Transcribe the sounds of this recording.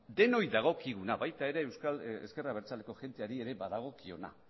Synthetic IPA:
d̪e̞no̞jðaɣ̞o̞kiɣunaβajt̪ae̞ɾe̞ːwskalḛske̞raβ̞e̞ɾt͡sale̞ko̞ʝ̥e̞nt̪eaɾie̞ɾe̞baðaɣ̞o̞kio̞̰na̰

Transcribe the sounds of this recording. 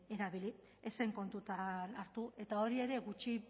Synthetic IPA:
e̞ɾaβili | ese̞ŋko̞nt̪ut̪anaɾt̪ue̞t̪ao̞ɾie̞ɾe̞ɣut͡ʃi

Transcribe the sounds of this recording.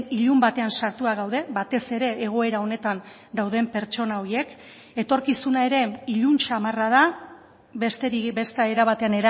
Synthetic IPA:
iʎumbat̪e̞ansaɾt̪uaɣ̞awð̞e̞bat̪e̞se̞ɾe̞ːɣ̞o̞e̞ɾao̞ne̞t̪an | d̪awð̞e̞mpe̞ɾt͡ʃo̞nao̞ɾie̞k | e̞t̪o̞ɾkisunae̞ɾe̞iʎunt͡ʃamarað̞a | βest̪eibe̞st̪aeɾaβat̪e̞ane̞ɾa

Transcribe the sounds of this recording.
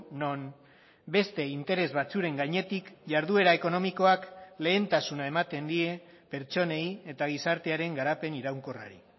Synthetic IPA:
no̞n | be̞st̪e̞int̪e̞ɾe̞zβat͡suɾe̞ŋɡaɲe̞t̪ikʝaɾðue̞ɾae̞ko̞no̞miko̞akle̞ːnt̪asunae̞mat̪e̞nd̪ie̞ | pe̞ɾt͡ʃo̞ne̞ie̞t̪aɣ̞isaɾt̪e̞aɾe̞ŋɡaɾape̞niɾawŋko̞ra̰ɾḭ

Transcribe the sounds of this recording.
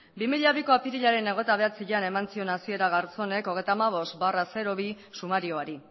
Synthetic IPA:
bimiʎaβ̞iko̞apiɾiʎaɾe̞ne̞ɣ̞o̞t̪aβ̞e̞at͡siʎane̞mant͡sio̞nasie̞ɾaɣ̞aɾt͡so̞ne̞ko̞ɣejt̪aːmaβ̞o̞st̪barase̞ɾo̞β̞i | sumaɾio̞aɾi

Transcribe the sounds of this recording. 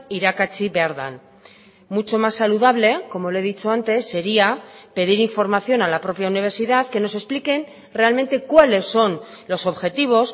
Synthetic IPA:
iɾakat͡ʃiβaɾða̰n | mut͡ʃo̞masːaluðaβle̞ko̞mo̞le̞ðit͡ʃo̞ant̪e̞sːe̞ɾiape̞ðiɾiɱfo̞ɾmaθjonalapɾo̞pjauniβ̞e̞ɾsiðaðke̞no̞se̞splike̞n | re̞alme̞nt̪e̞kwale̞sːo̞n | lo̞so̞βxe̞t̪iβ̞o̞s

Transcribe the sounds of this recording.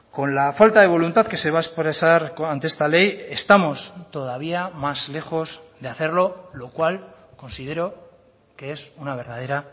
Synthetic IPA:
ko̞nlafalt̪aðe̞β̞o̞lunt̪aðke̞se̞βaespɾesaɾant̪eest̪ale̞je̞st̪amo̞st̪o̞ð̞aβ̞iamazle̞xo̞zðeaθe̞ɾlolo̞kwalko̞nsið̞e̞ɾo̞ | ke̞esunaβ̞e̞ɾðað̞e̞ɾa

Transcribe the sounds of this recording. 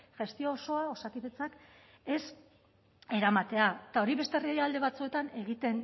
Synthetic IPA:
ʝe̞st̪io̞ːso̞ao̞sat̪iβet͡sak | e̞s | e̞ɾamat̪e̞at̪ao̞ɾiβe̞st̪erieald̪e̞βat͡sue̞t̪ane̞ɣit̪e̞n

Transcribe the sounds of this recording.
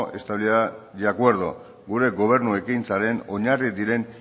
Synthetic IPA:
ʔe̞st̪aβliaadeakwe̞ɾð̞o | ɡuɾe̞ɡo̞β̞e̞ɾnue̞kinsaɾe̞no̞ɲarid̪iɾe̞n

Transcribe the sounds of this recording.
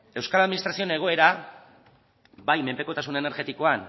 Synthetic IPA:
e̞wskalaðminist̪ɾasio̞ne̞ɣ̞o̞e̞ɾa | bajme̞mpe̞ko̞t̪asunene̞ɾɣe̞t̪iko̞an

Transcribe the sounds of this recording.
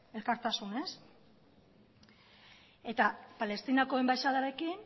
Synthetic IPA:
e̞lkaɾt̪asune̞s | e̞t̪apale̞st̪inako̞e̞mbajʃaðaɾe̞kin

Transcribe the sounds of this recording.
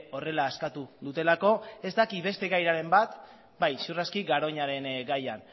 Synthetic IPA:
o̞re̞laːskat̪uðut̪e̞lako̞e̞zd̪akiβe̞st̪e̞ɣajɾaɾe̞mbat̪ | bajsuraskiɡaɾo̞ɲaɾe̞nɡajan

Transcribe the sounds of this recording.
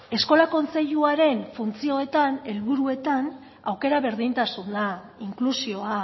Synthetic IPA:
e̞sko̞lako̞nt͡se̞ʎuaɾe̞nfunt͡sio̞e̞t̪ane̞lβuɾue̞t̪an | awke̞ɾaβe̞ɾðint̪asund̪a | iŋklusio̞a

